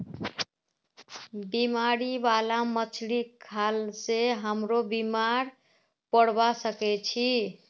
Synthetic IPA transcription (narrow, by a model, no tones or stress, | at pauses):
bimaɾibalamət͡ʃʰlikʰalseɦəmɾobimaɾ | pəɽbasəkɛt͡ʃʰi